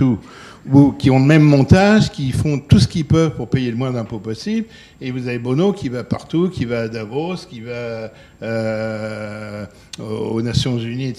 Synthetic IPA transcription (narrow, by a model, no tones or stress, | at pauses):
u | ukʲiɔ̃ləmɛmːɔ̃t̪aʒkʲifɔ̃t̪usə̥kʲilpœvpuʁpejeləmwɛ̃d̪ɛ̃popɔsibl | evuzavebonokʲivapaʁt̪ukʲivaːd̪avoskʲiva | ø | o̰nasjɔ̃zyni